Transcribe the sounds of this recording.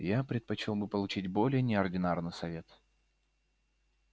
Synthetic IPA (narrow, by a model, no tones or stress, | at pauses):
japɾʲɪt̪̚pɐt͡ɕɪlˠbɨpəlˠʊt͡ɕitʲbo̞lʲɪjənʲɪɐrdʲɪnarnɨjsɐvʲe̞t̪